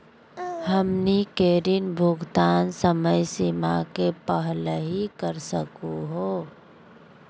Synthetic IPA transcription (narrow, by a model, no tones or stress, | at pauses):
həmnikeːɾɪnbʱʊɡt̪aːnsəməjsimakepəɦləɦikəɾsəkuɦoː